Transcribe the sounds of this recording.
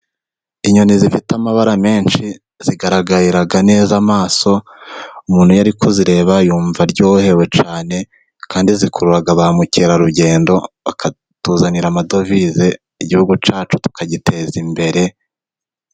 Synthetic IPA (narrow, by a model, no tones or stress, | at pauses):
iɲonizifitamaβaɾame̞ːnʃi | z̥iɡaɾaɡaɾiɾaɡane̞ːzamaːso̞umuːnhujaɾikuziɾe̞ːβajuːɱvaɾɟoːhe̞we̞t͡ʃaːne̞ | kaːndizikʰuɾuɾaɡaβaamuciɾaɾuɟe̞ːndo̞βakʰa | tuzaniɾamado̞vize̞ | iɟihuɡut͡ʃaːt͡ʃu̥tu̥kaɟitʰe̞zimbe̞ɾe̞